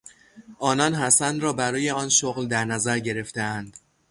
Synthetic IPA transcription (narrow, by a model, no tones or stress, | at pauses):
ʔɒːnɒnɦæsænd̪ɾɒːbæɾɒːje̞ɒːnʃoɣld̪æɾnæzæɾɟe̞ɾe̞ft̪eænd̪̥